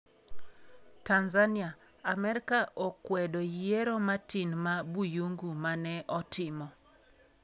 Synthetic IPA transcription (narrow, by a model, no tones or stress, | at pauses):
tanzania | amɛɾɪkaʔokwɛdojeɾomatinmabujoŋɡumanɛʔɔtʰɪmɔ